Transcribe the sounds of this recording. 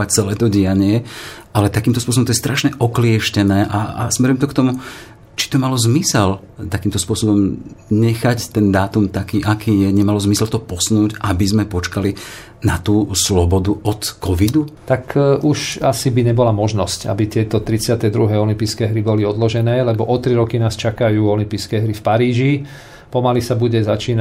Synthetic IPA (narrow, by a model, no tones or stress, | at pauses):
ac̚t͡sɛlɛːt̪ɔɟɪaɲɪɛʔalɛt̪akiːmt̪ɔspʊɔs̬ɔbɔmt̪ɔjɛst̪ɾʔaʃɲɛʔɔklɪɛʃcɛnɛːʔaa̰smɛɾimt̪ɔkt̪ɔmu | t͡ʃi̥t̪ɔmalɔzmisɛl | t̪akiːmt̪ɔspʊɔsɔbɔmɲɛxact̪ɛnd̪aːt̪umt̪akiːʔakiːjɛɲɛmalɔzmisɛlt̪ɔpɔsnuːɟʔabizmɛpɔt͡ʃkali | nat̪uːslɔbɔd̪uʔɔt̪kɔʋid̪ut̪akʔuʃasibiɲɛbɔlamɔʒnɔsca̰bit̪ɪɛt̪ɔt̪ɾit͡sɪat̪ɛd̪ɾuɦɛɔlimpiːskɛːɦɾibɔliɔd̪lɔʒɛnɛːlɛbɔʔɔt̪ɾiɾɔkinaːst͡ʃakajuːɔlimpiːskɛːɦɾifpaɾiːʒi | pɔmalisabuɟɛzat͡ʃiːna